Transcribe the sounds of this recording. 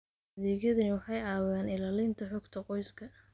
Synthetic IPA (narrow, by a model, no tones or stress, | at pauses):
ɐðɛːɣjɐðɐnwɑħɑjaːwjaːnɪlaːlɪnt̪ʰɐħɔɡt̪ʰɐqɔjskʰɐ